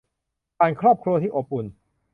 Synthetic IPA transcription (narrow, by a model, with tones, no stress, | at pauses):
paː˧nkʰɾɔː˥˩p̚kʰɾu˧ət̪ʰiː˥˩ʔo˨˩p̚ːu˨˩n